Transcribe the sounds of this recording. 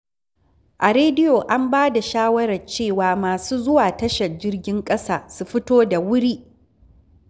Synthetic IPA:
ʔa˨ɾeː˦dɪ˦joː˨ʔa˦mbaː˦da˨ʃaː˦wɐ˦ɾɐ˨rt͡ʃeː˦˨waː˨maː˨suː˦zʊ˦waː˨tɐ˦ʃɐ˨rd͡ʒɪ˦rɡʲɪ˦ŋkʼɐ˦saː˨su˨ɸɪ˦toː˦da˨wʊ˦ɾiː˦ʔ

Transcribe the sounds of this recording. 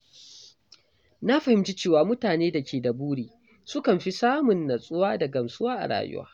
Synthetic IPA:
na˦ɸɐ˨hɪ˨mt͡ʃi˦t͡ʃeː˦waː˨mʊ˦taː˨neː˦da˨kʲeː˨dɐ˨buː˦ɽiː˨ | sʊ˦kɐ˨mɸi˦saː˦mʊ˨nːɐ˨sʼʊ˦waː˦da˨ɡɐ˨msʼʊ˦waː˦ʔa̰˨ɽa̰ː˨jʊ̰˦wa̰ː˦

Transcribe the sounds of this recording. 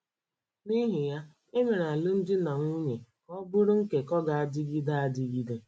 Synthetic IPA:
ni˦ɦɪ˨ja˦ | e˦ŋe˨ɾa˨lʊ˦n̩˦dɪ˦na˨ŋʷu˦ɲe˨ | ɔ˦bʊ˦ɾʊ˦ŋ̩˦ke˨kɔ˦ɡa˨a˦dɪ˦ɡi˦da˦a˦dɪ˦ɡi˦de˨

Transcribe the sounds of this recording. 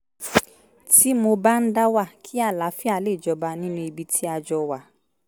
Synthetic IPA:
ti˦mo˧ba˦n̩˦da˦wa˦˨kʰi˦a˦˨la˨˦fi˦a˧le˦˨d͡ʒɔ˧ba˧nĩ˦nũ˦i˧bi˧tʰi˦a˧d͡ʒɔ˧wa˨˦

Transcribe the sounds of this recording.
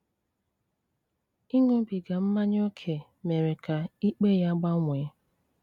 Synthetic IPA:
i˦ŋo˦bi˨ɡa˨m̩˦ma˦ɲ˦o˦kʰe˨ | me˨ɾe˨ka˨i˦k͡pe˦ja˦ɡ͡ba˦ŋʷe˨˦

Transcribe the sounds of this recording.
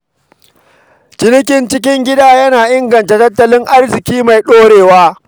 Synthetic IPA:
d͡ʒɪ˦nɪ˦k̬ʲɪ˨nt͡ʃɪ˦kʲɪ˦ŋɡʲɪ˦daː˦jɐ˦naː˨ʔɪ˦ŋɡɐ˨nta˨tɐ˦tːɐ˦˨lɪ˦ŋʔa˦rzɪ˨kʲiː˦ma˨jɗoː˦ɽeː˨waː˦

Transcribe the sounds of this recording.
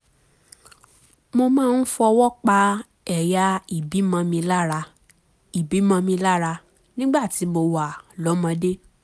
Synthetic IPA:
mo˧mãː˦˧n̩˦fɔ˧wɔ˦k͡pa˧ | ɛ˨ja˧i˦˨bi˨˦mã˧mĩ˧la˦˧ | i˨bi˨˦mã˧mĩ˧la˦ɾa˧ | nĩ˦ɡ͡ba˦˨ti˨˦mo˧wa˦˨lɔ˨˦mã˧de˦

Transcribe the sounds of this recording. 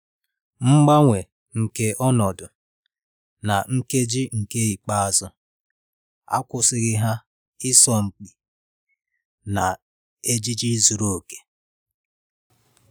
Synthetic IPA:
ŋ͡m̩˦ɡ͡ba˦ŋʷe˨ | ŋ̩˨ke˦ʔɔ˦nɔ˨dʊ˨ | na˨ŋ̩˦ke˦d͡ʒi˦ŋ̩˨ke˦i˨k͡pa˦a˨zʊ˦ | a̰˦kʊ˦sɪ˨ɣɪ˦ɦa˦ | ɪ˦sɔ˨ŋ͡m̩˨k͡pi˨ | na˨ | e˦d͡ʒi˦d͡ʒi˦zu˨ɾo˦o˨ke̥˨

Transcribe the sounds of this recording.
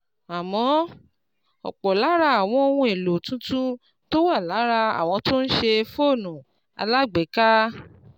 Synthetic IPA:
a˨mɔ̃˨˦ | ɔ̰˨k͡pɔ˨la˨˦ɾa˧˦a˦˨w̃ɔ̃˧o˧wũ˧e˨lo˨tũ˨˦tũ˦ | to˦wa˦˨la˨˦ɾa˧a̰˨w̃ɔ̃˧to˦n̩˦ʃe˧fo˦˨nũ˨ | a̰˧la˦ɡ͡bɛ˨˦ka˦

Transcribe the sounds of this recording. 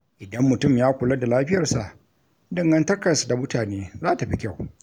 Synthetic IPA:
ʔɪ˨dɐ˦mːʊ˨tʊ˦˨mjaː˦kʷʊ˨lɐ˦da˨laː˦ɸɪ˦jɐ˨rsa˨ʔ | dɐ˦˨ŋɡɐ˦ntɐ˦kɐ˨sda˨mʊ˦taː˨neː˦zaː˦ta˨ɸi˦kʲa˦˨w

